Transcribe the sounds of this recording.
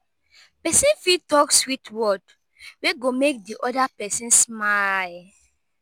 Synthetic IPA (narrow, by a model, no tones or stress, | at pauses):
pɛsĩnfitɔkswitwɔd | weɡomek̚diʔɔdapɛsĩnsmal